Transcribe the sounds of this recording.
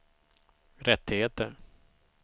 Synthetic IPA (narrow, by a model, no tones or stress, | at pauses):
ɾɛt̪ːɪheːt̪əɾ